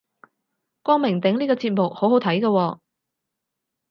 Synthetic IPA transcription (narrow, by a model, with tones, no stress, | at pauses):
kʷɔː˥ŋmɪ˨˩ŋt̪ɪ˨˥ŋliː˥kɔː˧t͡siː˧t̚mʊ˨k̚ho˨˥wɦo˨˥wt̪ʰɐ˨˥jkɐː˧wɔː˧